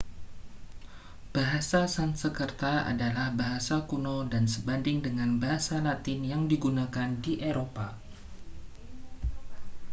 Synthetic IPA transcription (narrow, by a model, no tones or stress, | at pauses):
b̥aɦasasansəkərt̪aa̰dalahbaɦasakunodansəbandɪŋdəŋanbaɦasalat̪ɪnjaŋdiɡunakandiʔeɾopa